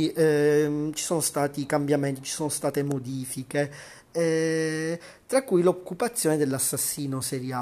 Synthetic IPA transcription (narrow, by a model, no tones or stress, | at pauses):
i | t͡ʃi̥sɔːnost̪aːt̪ikambjament̪it͡ʃi̥soːnost̪aːt̪emod̪iːfike | t̪ɾakːujlokːupat̪sːjɔːned̪elːasːasːiːnoseɾja